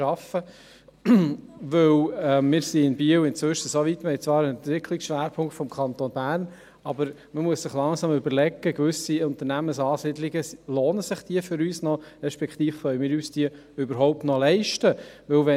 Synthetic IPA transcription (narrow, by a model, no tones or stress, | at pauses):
ɑfə | ʋɵwɛmɪːɾsiɪnbiəwɪnt͡sʋʏʃəsoʋit̪məɪt͡sʋɑːɾənɛnt̪vɪkʰliksʃʋæːɾpʰʊŋktfɔmkʰɑnt̪onb̥æːɾn | ɑbəɾ | məmuəssɪχlɑŋsɑmʏbəɾlɛɡːəkvʏsiʊnt̪əɾnæməsɑːsid̪liɡəloːnəsɪχd̥iəfʏɾyːsnɔɾɛʃpɛkt̪iːfχœɥəmɪːɾyːsd̥iə | ʏbəɾɦɔʊp̚tnɔlɛɪʃtəʋɵwʋɛ